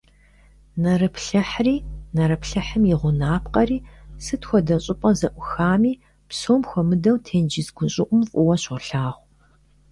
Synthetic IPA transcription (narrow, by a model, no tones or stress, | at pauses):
nɐrɨpɬɨħriːnɐɾɐpɬɐħɨmjɪʁʷʊnaːpqɐriːsɨtxʷɔdɐɕʼɪpʼɐzɐʔʷʊxaːmiː | psoːmxʷɔmɨdɐwtʰeːnd͡ʒɪzɡʷʊɕʼɪʔʷʊmfʼʊwɐɕʊɬaːʁʷ